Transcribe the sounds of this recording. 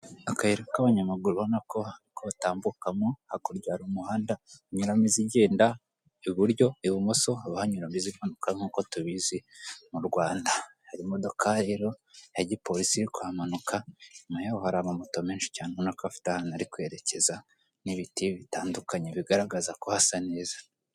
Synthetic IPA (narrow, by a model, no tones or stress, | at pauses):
akaheɾekaβaɲamaɡuɾuonakohaɾikoataːmbukamohakoɾɟaaɾumuhaːndaɲuɾamiziɟeːnda | iβuɾɟo̞iβumoso̞aβahaɲuɾamizimanukaŋ̥uːko̞tuβizimuɾɡwaːndahaɾimodo̞kʰaːɾiɾojaɟipo̞ɾisiɾikwaːmanukamajeohaɾamomotomeːnʃi̥caːneonakafi̥tahanaɾikwe̞ɾe̞ce̞za | niβitiβitaːndukaɲeβiɡaɾaɡazakohasane̞ːzḁ